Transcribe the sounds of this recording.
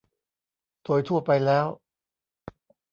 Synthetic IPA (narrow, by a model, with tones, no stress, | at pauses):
t̪ʰoː˧jt̪ʰu˥˩ɐpa˧jlɛː˦˥w